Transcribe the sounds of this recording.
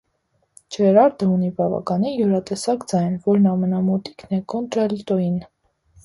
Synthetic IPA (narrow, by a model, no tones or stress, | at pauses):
t͡ʃʰɛɾɑɾd̪əunibɑvɑ̰kɑnijɔɾɑt̪ɛsɑkd͡zɑjnvɔɾnɑmɛnɑmɔt̪i̥knɛkɔnt̪ɾɛlt̪ɔin